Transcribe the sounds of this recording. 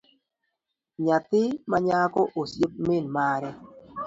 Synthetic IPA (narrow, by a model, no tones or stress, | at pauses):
ɲat̪ɪmaɲakɔʔosjip̚mɪnmaɾɛ